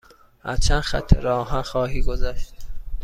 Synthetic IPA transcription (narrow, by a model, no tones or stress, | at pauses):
hæ̰ɾt͡ʃʰænxæ̰t̪ʰːeɾɒːɦænxɒːɦiːɡozæʃt̪̚